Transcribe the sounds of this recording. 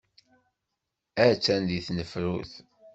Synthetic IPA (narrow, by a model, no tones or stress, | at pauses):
æt͡sːænd̪iθnəfɾuθ